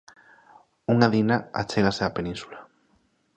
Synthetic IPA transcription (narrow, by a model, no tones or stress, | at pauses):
uŋaðinaa̰t͡ʃeɣaseapenĩnsula